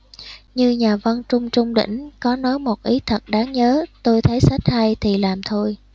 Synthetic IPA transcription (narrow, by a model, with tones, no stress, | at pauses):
ɲɨ˧ɲaː˨˩və˧nt͡ɕʊ˧ŋ͡mt͡ɕʊ˧ŋ͡mɗḭ˧˩˨ŋ̟kɔ˨˦nɔ˨˦jmo˨˩t̚ʔi˨˦t̪ʰə˨˩t̚ɗaː˨˦ŋɲəː˨˦t̪o˧jt̪ʰə˨˦jsa˦˥jt̟̚ha˧jt̪ʰi˨˩laː˨˩mt̪ʰo˧j